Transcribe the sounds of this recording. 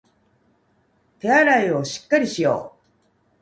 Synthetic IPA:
t̪e̞aɾaio̞ɕi̥kːaɾʲiɕijo̞̰ː

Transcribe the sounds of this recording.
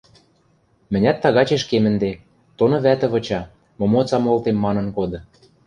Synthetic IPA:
mɘ̆nʲæt̪ːɑɣɑt͡ɕeʃkemɘ̆nd̪e | t̪onɤ̆βæt̪ə̆βɤ̆t͡ɕɑ | momot͡sɑmolt̪emːɑnɤ̆nkod̪ɤ̆

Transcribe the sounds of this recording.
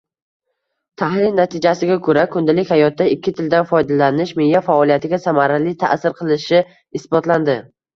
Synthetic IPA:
t̪ʰahlɪlnat̪ʰɪd͡ʒasɪɡʲakʰɵɾakʰʊnd̪alɪkʲhajɒt̪̚ːaɪkʲʰːɪt̪ʰɪld̪anfɒjd̪alanɪʃmejafaɒlˠijat̪ʰɪɡʲasamaɾalɪt̪ʰa̰sɪɾqʰɨlˠɪʃɪ | ɪsbɒt̪land̪ɪ

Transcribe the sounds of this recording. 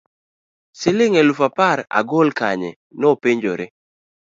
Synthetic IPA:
sɪlɪŋɛlufapaɾa̰ɡolkaɲɛ̰ | nɔpeɲd͡ʒoɾɪ

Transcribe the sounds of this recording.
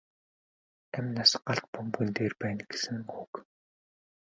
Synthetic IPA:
æmnasɢaɬt̪̚pumɡɘ̆nt̪eːrpæːnɡ̥e̥sɘ̆ŋuk

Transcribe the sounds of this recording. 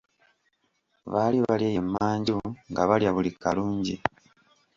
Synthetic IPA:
βaːliβaljeːjemːaːɲɟiŋɡaβaljaβulikaluːɲɟi

